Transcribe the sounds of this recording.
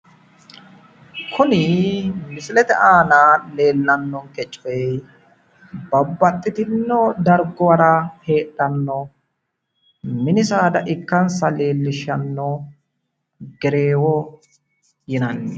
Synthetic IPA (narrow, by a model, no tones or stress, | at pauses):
kʰʊnɪmɪsɪlɛt̪ɛ̰ʔaːnaːle̞ːlːɐnːɔŋkɛt͡ʃʼːɔ | bɐbːɐt̪ʼːɪt̪ɪnːɔd̪ɐɾɡɔwɐɾɐhe̞ːt̪ʼːɐnːɔ | mɪnɪsaːd̪ɐʔɪkːɐnsɐle̞ːlːɪʃɐnːɔ | ɡɛɾeːwɔ | jɪnɐnːɛ